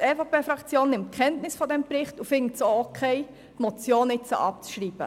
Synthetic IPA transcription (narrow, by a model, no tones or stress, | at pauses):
ɛːfɑpʰeːfʁɑkt͡sjoːnːɪmt̚kʰχɛntnɪsfɔdɛmpɾɪχtufɪŋtsookʰɛɪ | tmɔt͡sjoːnɪt͡sə̰ʔɑp̚t͡sʃriːb̥ə